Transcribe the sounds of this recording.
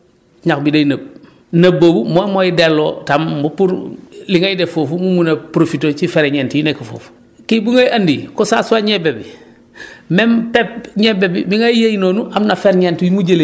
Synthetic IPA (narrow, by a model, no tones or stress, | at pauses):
ɲakbidejnɐb̚ | nɐboːbumomoidelːo̰ːtambupuɾliŋajdɛfofumumunɐpɾofitot͡ʃifeɾeɲɛːntijinekːafo̰ːfu̥ | kibuŋajʔɐndikosasuwaɲɛbebi | mɛmpɛp̚ɲɛbebibiŋajejinoːnuʔamnafeɾɲɛntijimuɟele